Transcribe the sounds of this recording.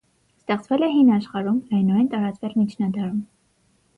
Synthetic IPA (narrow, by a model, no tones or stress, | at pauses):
st̪ɛχt͡svɛlɛɦinɑʃχɑɾumnɑjnɔɛnt̪ɑɾɑt͡svɛɾmit͡ʃʰnɑd̪ɑɾum